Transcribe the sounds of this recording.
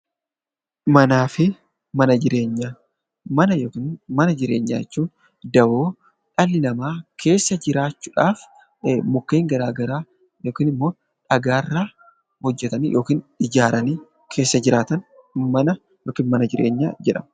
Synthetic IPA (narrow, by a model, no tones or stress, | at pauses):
mɐnaːfɪ | mɐnɐd͡ʒɪɾe̞ːɲːaː | mɐnɐjoːkinmɐnɐd͡ʒɪɾe̞̰ːɲːa̰ːjɛt͡ʃːuːn | d̪ɐwo̞ː | ᶑɐlːɪnɐmaːkʰe̞ːsːɐd͡ʒɪɾaːt͡ʃːuːᶑaːf | mʊkːe̞ːŋɡɐɾaːɡɐɾaː | jo̞ːkiːnɪmːo̞ː | ᶑɐɡaːɪrːaː | hɔd͡ʒːɛt̪ɐnḭjʔo̞ːkiːnᶑɪd͡ʒaːɾɐniː | kʰe̞ːsːɐd͡ʒɪɾaːt̪ɐnmɐnɐ | joːkiːnmɐnɐd͡ʒɪɾʔe̞̰ːɲːa̰ːd͡ʒɛᶑɐm